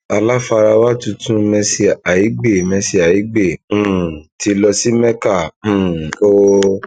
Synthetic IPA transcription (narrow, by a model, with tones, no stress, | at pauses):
a˧la˦fa˧ɾa˧wa˦tũ˧tũ˦mɛ̃˧si˧a˨ji˨˦ɡ͡be˦˨mɛ̃˧si˧a˨ji˨˦ɡ͡bẽ˦˨˦ti˨˧˦lɔ˧si˦mɛ̃˦kã˦˨˦o˦